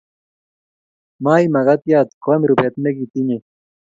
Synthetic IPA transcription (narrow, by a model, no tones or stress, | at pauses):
maːimɐɣat̪ijaːt̪komiɾupet̪meɡit̪iɲe